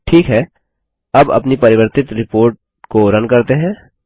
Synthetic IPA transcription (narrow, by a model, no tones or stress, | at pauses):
ʈʰiːkɦɛː | ɐbɐ̰pnipɐɾɪʋəɾt̪ɪt̪ɾɪpoːɾʈ̚ | koɾɐnkɐɾt̪eɦɛ̃ː